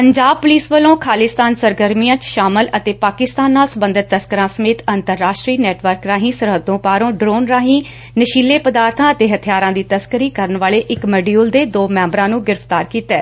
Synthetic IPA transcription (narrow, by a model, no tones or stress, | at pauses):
pəɲd͡ʒaːb̚pʊliːsʋəlõːkʰaːlɪst̪aːnsəɾɡəɾmijãːt͡ʃʃaːmələt̪eːpaːkɪst̪aːnːaːlsəbə̃nd̪ɪt̪ːəskəɾãːsəmeːt̪ənt̪əɾːaːʃʈɾiːnɛːʈʋəɾkɾaːɦĩːsəɾɦəd̪õːpaːɾõːɖɾoːnɾaːɦĩː | nəʃiːlːeːpəd̪aːɾt̪ʰãːət̪eːɦət̪ʰijaːɾãːd̪iːt̪əskəɾiːkəɾənʋaːleːʔɪkmɛɖiuːld̪eːd̪oːmɛ̃ːmbɾãːnũːɡɪɾəpʰt̪aːɾkiːt̪ɛː